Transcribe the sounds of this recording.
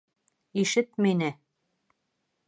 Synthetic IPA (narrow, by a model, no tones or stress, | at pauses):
iʃɘt̪minɘ